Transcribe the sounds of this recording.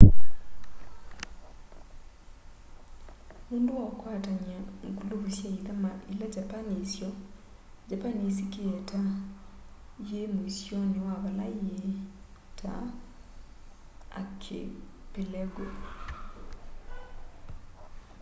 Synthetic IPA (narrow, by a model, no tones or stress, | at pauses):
muːnduwɔkwaːtaɲaŋkuloβusjaiðamaʔilad͡ʒapanisjɔ | d͡ʒapanis̬ikeɛta | ijemoisjɔnewaβalaijee | tʰa̰ | a̰kʰḛ | pelɛɡo